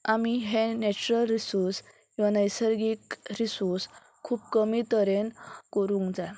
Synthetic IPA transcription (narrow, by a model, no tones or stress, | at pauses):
amiɦẽnɛt͡ɕuɾəlɾisuɾs | kĩʋanəjsəɾɡikɾisus | kʰuːp̚kəmit̪əɾenkəɾũŋkd͡zaj